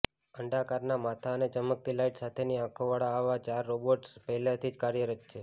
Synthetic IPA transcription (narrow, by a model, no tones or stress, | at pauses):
əɳɖakaɾnamat̪ʰaənet͡ʃəmək̚t̪ilaiʈsat̪ʰeniãkʰoʋaɭaːʋat͡ʃaɾːoboʈspɛɦlat̪ʰid͡ʒkaɾjəɾət͡ʃʃʰe